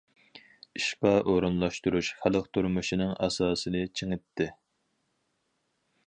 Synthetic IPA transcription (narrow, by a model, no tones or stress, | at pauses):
iʃpɑʔoɾunlˠɑʃt̪uɾuʃχælˠəq̚t̪ʰuɾmuʃinɨŋʔɑ̰sɑːsɨnɨt͡ʃʰeŋɪt̪ʰːɪ